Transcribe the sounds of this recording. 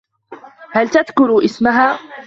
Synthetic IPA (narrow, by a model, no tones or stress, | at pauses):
halt̪aðkʊɾʔɪsmaɦaː